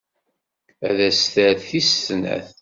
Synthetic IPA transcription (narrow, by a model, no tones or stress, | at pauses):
æðæsθæɾθist̪næ̰θ